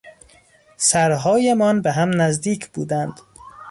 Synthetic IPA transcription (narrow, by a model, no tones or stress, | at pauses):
sæɾɦɒːjemɒːnbeɦæmnæzd̪iːcʰb̥uːd̪ænd̪̥